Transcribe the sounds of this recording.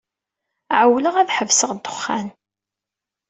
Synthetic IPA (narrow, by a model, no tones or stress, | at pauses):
ʕəwləʁæðħəvsəʁd̪ʊ̥χːæn